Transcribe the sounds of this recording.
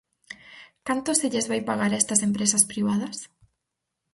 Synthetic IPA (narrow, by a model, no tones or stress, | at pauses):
kant̪oseʎezβajpaɣaɾɛst̪ɐsempɾesɐspɾiβaðɐs